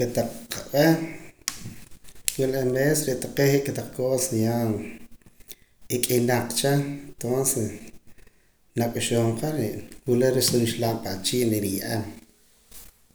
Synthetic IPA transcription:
ket̪aq͡χqaweh | wilemesɾeʔt̪aqeiʔkat̪aq͡χkoːsjan | ikʼinaq͡χt͡ʃant̪onses | nakʼuʃoːɴqaɾeʔwuleɾisʼunʃlaːmpat͡ʃiːʔneɾijaʔam

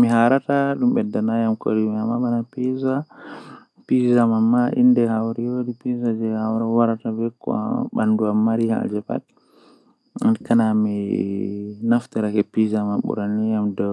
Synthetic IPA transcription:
miɦaɾataɗumɓɛdanajamko̰ɾimiamabanapiza | pizamamːaʔḭndɛhawɾɛjodipizad͡ʒɛhawɾawaɾatabɛkɔ̰ɓanduamːaɾiha̰d͡ʒɛpa̰t | ankanami | naft̪ɛɾakɛpizamaɓṵɾanijamdɔ

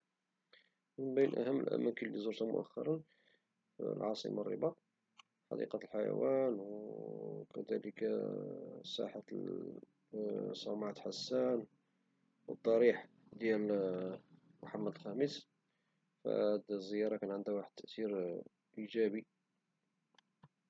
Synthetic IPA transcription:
mənbæjənʔæ̰həmːə̰lʔæ̰mænkilːizuɾt̪æmʊ̰ʔæ̰xːɑ̰ɾˤən | fḭlʕɑsˤḭmɑrˤːə̰bɑ | ħɑ̰d̪ḭqɑlħajæ̰wænw | kæd̪æ̰lək | sæ̰ħa | sˤɑmʕat̪ħasːæn | wəd̪ˤːɑɾiħ | d̪jæl | mʊħamːæd̪əlxæməs | fæ̰æd̪zːəjɑɾˤɑkænʕənd̪æwaħəd̪̚t̪ːəʔt̪iɾ | ʔiʒæbi

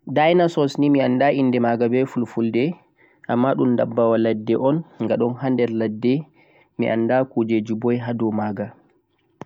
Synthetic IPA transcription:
dajnasɔsnimiandainːdɛmaɡabɛfulfuldɛ | ʔamːaɗumdabːawaladːɛʔɔnŋɡaɗɔnhandɛɾladːɛ | mḭʔa̰nːdakud͡ʒed͡ʒubɔjɦadɔmaɡa

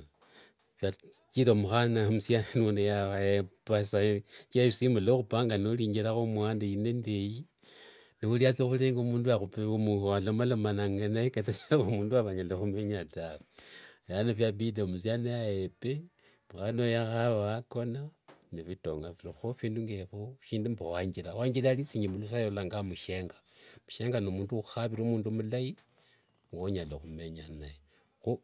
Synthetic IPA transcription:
fja | t͡ʃiɾomuxanamusjanenunejapasat͡ʃiaisimbuloxupaŋɡanoliːɲɡeɾaxomwaːndeinendeji | niuliat͡sexuleːŋɡomuːnduaxupemualomalomanaŋɡanaekatat͡ʃilaomuːnduaβaɲalexumeɲatawejanefjaβidomuzjanejajepe | muxanojaxaβaakonanefitoŋɡafiɾixofiːnduŋɡeβoʃiːndumbowaɲɡilawaɲilalisiɲimulusaolaŋɡamuʃe̞ŋɡḁ | muʃe̞ŋɡanomuːnduuxaβiɾomuːndumulaji | ŋɡoɲaloxumeɲanaje | xu

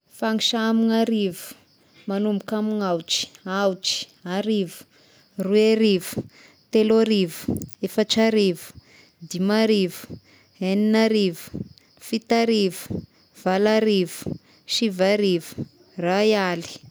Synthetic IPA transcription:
faŋiʃamiŋaɾivu̥ | manumukamiŋawʈ͡ʂi̥awʈ͡ʂi̥ | aɾivu̥ | rueɾivu̥ | t̪elaɾivu̥efaʈ͡ʂaɾivu̥ | d̪imaɾivu̥ | ɦeninaɾivu̥ | fit̪aɾivu̥ | v̥alaɾivu̥ | ʃivaɾivu̥ | rajali̥

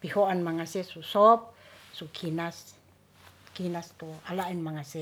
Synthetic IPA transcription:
pihoʔanmaŋasesusɔp̚sukʰinas | kinast̪oalaʔinmaŋasɛ

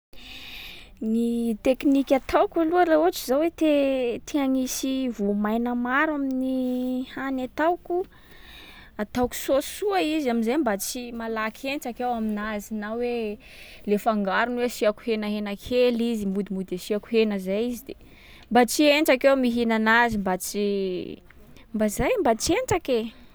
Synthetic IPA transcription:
nit̪eknikʲat̪ʰawkʲaluaɾaot͡ʃizawet̪et̪ʰiaŋisivomajnəmaɾaminihanat̪awku | at̪awku̥suasuaizaminzajmbat͡simalakʰenʈ͡ʂakewaminazinawe | lefaŋɡaɾunwesiaku̥henəɦenəkʰelizimud̪imud̪esiaku̥henəzajizid̪e | mbat͡sieɳʈ͡ʂakewmiɦinanazimbat͡si | mbazajmbat͡ʃieɳʈ͡ʂake

